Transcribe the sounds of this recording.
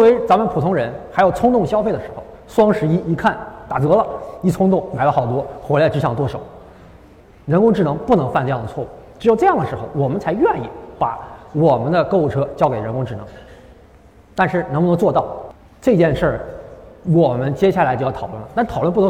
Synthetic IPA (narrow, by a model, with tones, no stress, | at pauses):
we˧˥ɪt͡sa˧˥mə˨npʰu˨˩t̪ʰʊ˧˥ŋɻə˧˥nxa˧˥jo˨˩ʊt͡sʰʊ˥ŋt̪ʊ˥˩ŋɕjɑ˥ʊfe˥˩d̪ə˩ʂɻ̩˧˥xo̰˧ʊswɑ˥ŋʂɻ̩˧˥i˥i˧˥kʰa˥˩nt̪a̰˨˩t͡sɤ˧˥lə˨i˥˩t͡sʰʊ˥ŋt̪ʊ˥˩ŋma˨˩ɪlə˧˩xɑ˨˩ʊt̪wɔ˥xwɛ˧˥la˧˥ʈ͡ʂɻ̩˧˥ɕʰɑ˨˥ŋt̪wɔ˥˩ʂo˨˦ʊ | ɻə˧˥nkʊ˥ŋʈ͡ʂɻ̩˥˩nɤ˧˥ŋpu˥˩nɤ˧˥ŋfa˥˧nʈ͡ʂɤ˥˧jɑ˥˩ŋ˩d̪ə˩t͡sʰwɔ˥˧˩u˥˩ʈ͡ʂɻ̩˧˥jo˧ʈ͡ʂɤ˥˧jɑ˥˩ŋd̪ə˩ʂɻ̩˧˥xo̰˧ʊwɔ˨˩mə˦nt͡sʰa˧˥ɪɥɛ˥˧ni˥˩pa˨˧˩wɔ˨˩mə˦nd̪ə˧kɤ˥˧ʊu˩ʈ͡ʂʰɤ˥t͡ɕjɑ˥ʊke˨˩ɪɻə˧˥nkʊ˥ŋʈ͡ʂɻ̩˨˩nɤ̰˧˥ŋ | t̪a˥˧nʂɻ̩˥˩n˧˥ŋpu˥˧nɤ˧˥ŋ˥t͡swɔ˥˧t̪ɑ˥˩ʊ | ʈ͡ʂɤ˥˧i˧˩t͡ɕjɛ˥˧nʂə˞˥˩ | wɔ˨˩mə˦nt͡ɕjɛ˥ɕja˥˩a˧˥t͡ɕjo˥˧jɑ˥˩˨ʊwə˥˩nlə˩t̪a˥˧ʂ̩ʰ˥˩˨lə˥˧pn˧˥